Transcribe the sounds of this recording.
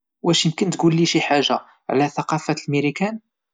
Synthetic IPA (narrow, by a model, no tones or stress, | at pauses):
wæʃimkənt̪ɡulːiʃiħaʒːa | ʕlæθɑqɑfæt̪lmiɾikæn